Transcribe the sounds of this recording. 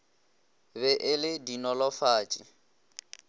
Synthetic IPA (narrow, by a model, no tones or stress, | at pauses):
bɛʔɪlɪdinɔlɔfaːt͡ʃʼḭ